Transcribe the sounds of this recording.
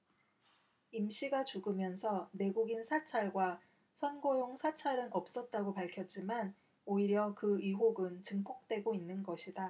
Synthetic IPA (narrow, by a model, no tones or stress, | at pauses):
imɕ͈ʰiɡat͡ɕuɡɯmjʌnsʰʌne̞ɡuɡinsʰat͡ɕʰaɭɡwa | sʰʌnɡojoŋsʰat͡ɕʰaɾɯnʌp̚s͈ʌt̚t͈aɡopaɭkʰjʌt̚t͡ɕ͈iman | oiɾjʌkɯiɦoɡɯnt͡ɕɯŋpʰok̚t͈we̞ɡoinːɯnɡʌɕʰida